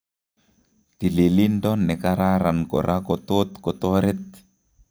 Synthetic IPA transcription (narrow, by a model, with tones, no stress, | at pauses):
ti˨li˨li˦ndɔ˦nːɛ˨ka˦ɾa˦ɾa˨nkɔ̰˨ɾʔa˦kɔt̪o˦t̪kɔ˨t̪o˦ɾe˦t̪̚